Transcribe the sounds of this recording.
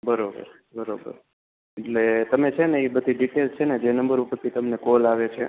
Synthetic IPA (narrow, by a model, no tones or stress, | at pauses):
bəɾobə̰ɾ | bəɾobə̰ɾ | eʈlet̪əmet͡ʃʰeneibəd̪ʱiɖiʈelt͡ʃʰened͡ʒenəmbəɾupəɾt̪ʰit̪əmnekolaʋet͡ʃʰe